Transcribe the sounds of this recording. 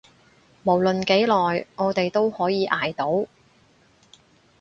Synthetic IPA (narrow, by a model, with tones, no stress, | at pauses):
mo˨˩wlɵ˨nke˨˥jlɔː˨jŋɔː˨˧t̪e˨jt̪o˥whɔː˨˥jiː˨˧ʔaː˨jt̪o˨˥w